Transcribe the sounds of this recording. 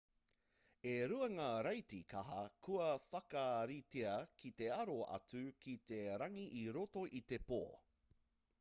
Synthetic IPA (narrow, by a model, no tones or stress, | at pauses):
eɾuɐŋaːɾɐjtikʰɐɦɐkʰuɐfɐkɐɾiteɐkʰit̪e̞ɐɾoɐ̰t͡sʉkʰit̪eɾɐŋiʔiɾoto̞ʔit̪e̞poː